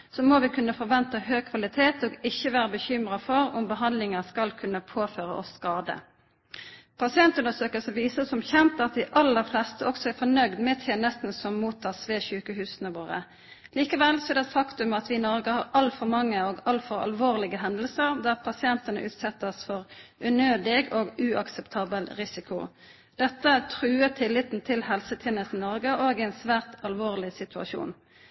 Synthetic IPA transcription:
sɔmoːʋɪkʰʉnːəfɔɾʋɛnt̪əɦøːɡ̚kʰʋɑlɪt̪ʰeːt̪ɔːɡɪçːəʋæːɾəbəçʏmʁɑfɔɾʊmbəɦɑnd̪lɪŋəskɑlkʰʉnːəpʰoːføːɾə̰ɔ̰skɑːd̪ə̰ | pʰɑsɪɛnt̪ʉnəsøːkəlsəʋiːsəsɔmçɛnt̪ɑt̪̚d̪ɪʔɑlːəɾflɛst̪əʔɔksɔæɾfɔnœɡd̪mɛt̪ʰeːnɛst̪n̩sɔmːuːt̪ʰːɑːsʋeːçʉːkəɦʉːsənəʋoːʁə̰ | liːkəʋɛlsɔɛːd̪ɛt̪fɑkt̪ʉmɑt̪ʋɪnɔɾɡəhɑʁɑlfɔɾmɑŋːəoːɡɑlfɔɾɑ̰lʋoːʁlɪɡəɦɛnd̪əlsəʁd̪æːʁpʰɑsɪɛnt̪ənə̰ʔʉːt̪sɛt̪ːəsfɔʁʔʉnøːd̪ɪɡoːɡʉɑksɛpt̪ʰɑːbəlɾɪsɪkʊ̰ | d̪̥ɛt̪ːəæt̪ʰʁʉːət̪ʰɪlːɪt̪n̩t̪ʰɪlhɛlsət̪ʰeːnəst̪nɔʁɡəʔoːɡɪɛɪnsʋæːʁt̪ɑlʋoːʁlɪsɪt̪ʉɑ̰ʃṵːn

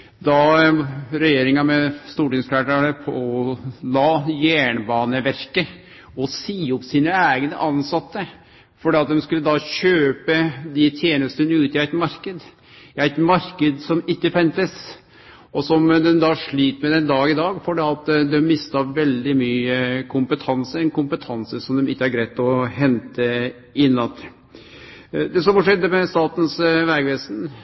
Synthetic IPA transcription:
d̪ɑ | ɾɛjeːɾɪŋɑmɛst̪uːʈɪŋsflæːʈæɳəpʰɔɔlɑːjæːɳbɑːnəʋæɾkə | ɔsiːɔpsiːnəæːɡənə̰ʔɑnsɑt̪ːə | fɔɖɛːɑt̪̚d̪ɛmskʉlːəd̪ɑɕøːpəd̪ɪt̪ʰjeːnəst̪ənəʉːt̪ɪæɪt̪mɑɾkəd̪ | ɪæɪt̪mɑɾkəd̪sɔmɪkːəfɛnt̪əs | ɔsɔmd̪ɛnd̪ɑʂɭiːt̪mɛd̪ɛnd̪ɑːɡɪd̪ɑːɡfɔɖɛɑt̪d̪ɛmːɪst̪ɑʋɛld̪ɪmyːəkʰʊmpət̪ʰɑnsəɾɛnkʊmpət̪ʰɑnsəsɔmd̪ɛmɪkːəæɾɡɾæɪt̪ɔɦɛnt̪ə | ɪnːɑnt̪ | d̪ɛsɔmfɔʂɛd̪ːəmɛst̪ɑːt̪n̩sʋæɾɡʋeːsn

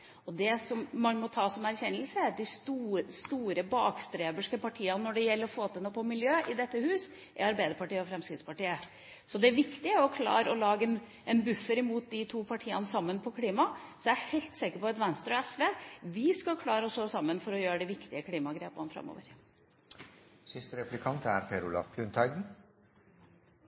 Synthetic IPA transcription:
ɔd̪ɛsɔmːɑnmɔt̪ʰɑːsɔmæɾçɛnːəlsəæɾɑd̪ɪst̪uːst̪uːɾəbɑːkst̪ɾeːbəʂkəpʰɑʈʰiːɑnnɔɖɛjɛlːəɾɔfoːt̪ʰɪlnoːpʰɔmɪljøːɪd̪ɛt̪ːəhʉːs | ʔɛ̰ɾɑɾbæɪd̪əɾpɑʈiːəɔfɾɛmskɾɪt̪spɑʈiːə | sɔd̪ɛʋɪkt̪ɪɾɔkʰlɑ̰ːɾəɔlɑːɡəɛn | ʔɛnbʉfːəɾɪmuːt̪̚d̪ɪt̪ʰuːpʰɑʈʰiːɑ̰nəsɑmːənpʰɔkʰliːmɑsɔjæhɛɪlt̪sɛkəɾpɔɑt̪ʋɛnst̪ɾɔɛsʋeːʋɪskɑkʰlɑːɾəɔsoːsɑmːənfɔɾɔjøːɾəɖɛʋɪkt̪ɪəkʰliːmɑɡɾeːpɑnəfɾɑ̰mːo̰ːʋəɾ | sɪst̪əɾɛplɪkʰɑnt̪æɾpʰɛɾʊlɑ̰pʰlʉnt̪ʰɑɪɡ̪n̩

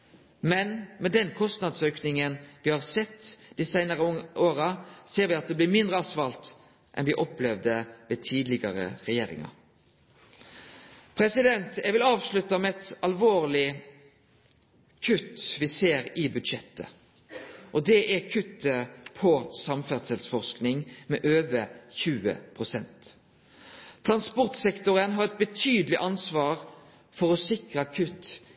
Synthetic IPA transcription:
mɛnmɛd̪ɛnkʰɔst̪nɑd̪søːknɪŋənʋɪhɑʁsɛt̪ːd̪̥iːsæɪnəʁəoːɾəseːɾʋɪɑt̪̚d̪ɛːblɪːɾmɪnd̪ɾəɑsʋɑlt̪ | ʔɛ̰nʋɪʔɔplɛʋd̪əʋɛt̪ʰiːd̪lɪɡəɾə̰ʁɛjeːɾɪ̰ŋɑ̰ɾ | pʰɾɛsɪd̪ɛnt̪æɡʋɪlɑːʋslʉt̪ːɑmɛɛt̪ɑlʋoːʁlɪ | kʰʉt̪ʋɪseːɾɪbʉd̪ʃɛt̪ːə̰ | ʔɔd̪ɛʔækʰʉt̪ːəpʰɔsɑmfæʁsɛlsfɔʁsknɪŋmɛːʔøːʋəçʉːə̰pʰʁʊsɛnt̪ | t̪ʰʁɑnspɔʁt̪sɛkt̪ʊʁənɦɑʁɛt̪̚bət̪ʰyːd̪əlɪʔɑnsʋɑːʁ | fɔʁɔsɪkʁɑkʰʉt̪ː

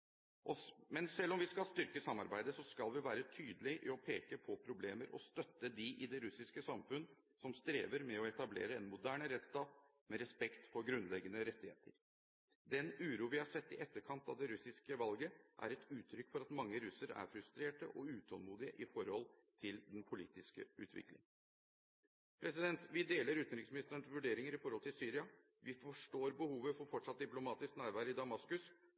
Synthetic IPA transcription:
ʔɔmɛnsɛlːɔmʋɪskɑlst̪ʏɾkəsɑmːɑɾbæɪd̪əsɔskɑlʋɪʋæːɾət̪ʰyːd̪əlɪʔɪɔpʰeːkəpʰɔpʰɾʊblḛːməɾʔɔ̰st̪œt̪ːəd̪ɪʔɪd̪ɛɾʉsɪskəsɑmfʉnː | sɔmst̪ɾeːʋəɾmɛɔɛt̪ɑblḛːɾəɛnmʊd̪æːɳəɾɛt̪st̪ɑːt̪ | mɛɾɛspɛkt̪fɔɾɡɾʉnlɛɡːənəɾɛt̪ːɪhḛːt̪ʰəɾ | d̪ɛnʉːɾuːʋɪhɑɾsɛt̪ːɪʔɛt̪ːəɾkʰɑnt̪ɑ̰ʋd̪ɛɾʉsɪskəʋɑlɡəʔæ̰ɾɛt̪ʉːt̪ʰːɾʏkːfɔɾɑt̪mɑŋːəɾʉsəɾæ̰ɾfɾʉst̪ɾeːʈə̰ʔɔʉːt̪ʰɔlmuːd̪ɪəʔɪfɔɾhɔlt̪ʰɪld̪ɛnpʰʊlḭːt̪ɪskə̰ʉ̰ːt̪ʰʋɪ̰klɪ̰ŋ | pʰɾɛsɪd̪ɛnt̪ʋɪd̪eːləɾʉːt̪nɾɪksmɪnɪst̪əɾəɳʋʉɖeːɾɪŋəɾɪfɔɾhɔlt̪ʰɪlsyːɾɪɑ | ʋɪfɔʂʈoːɾbəhuːʋəfɔɾfɔʈʂɑt̪̚d̪ɪplʊmɑːt̪ɪsknæːɾʋæːɾəɪd̪ɑmɑskʉs

